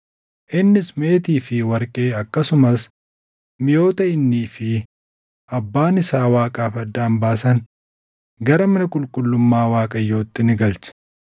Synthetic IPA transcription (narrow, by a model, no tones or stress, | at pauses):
ʔɪnːɪsme̞ːt̪iːfɪwɐɾkʼeːɐkːɐsʊmɐs | mɪjo̞ːt̪ɐɪnːiːfɪ | ʔɐbːaːnɪsaːwaːkʼaːfɐd̪ːaːmbaːsɐn | ɡɐɾɐmɐnɐkʼʊlkʼʊlːʊmːaːwaːkʼɐjːo̞ːt̪ːɪnɪɡɐlt͡ʃɐ̥